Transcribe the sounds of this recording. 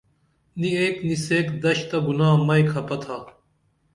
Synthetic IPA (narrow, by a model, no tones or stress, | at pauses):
niejt̪niseːkd̪ɐɕt̪ɐɡunaːmɐjkʰɐpɐt̪ʰaː